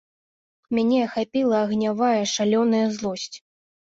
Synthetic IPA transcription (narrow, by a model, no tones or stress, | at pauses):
mʲanʲɛxapʲilˠɐːɣnʲavajɐʂalʲɔnɐjɐzlˠɔsʲt͡sʲ